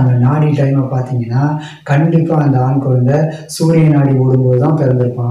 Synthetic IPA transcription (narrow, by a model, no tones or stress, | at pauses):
ɐnd̪ɐnaːɽiʈːɐɪmɐpaːɾt̪iːŋɡɐnːaː | kɐɳɖɪpːaːɐnd̪ɐaːnkɯʋɐnd̪ɐ | suːɾɪjɐnaːɽipoːɽɯmboːðɯt̪ãːpɛɾɐnd̪ɪɾɯpːãː